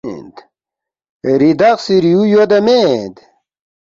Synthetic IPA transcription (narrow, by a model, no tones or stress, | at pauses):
nd̪ | ɾid̪ɐqsiɾijujod̪ɐmed̪